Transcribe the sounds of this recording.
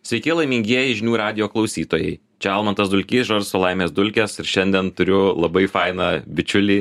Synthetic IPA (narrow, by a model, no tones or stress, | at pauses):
sʲʋʲɛɪkʲɪlˠɐɪmʲɪŋʲɡʲiɛjɛɪʒʲɪnʲuːɾɑːd̪ʲɪjoːklˠɒʊsʲiːt̪oːjɛɪ | t͡ʃʲɛɐlˠmɐnt̪ɐsd̪ʊlʲkʲiːsʒɐɾsoːlˠɐɪmʲeːsd̪ʊlʲkʲɛsɪɾʃʲɛnʲd̪ʲɛnt̪ʊɾʲʊlˠɐbɐɪfɐɪnɑbʲɪt͡ʃʲʊlʲiː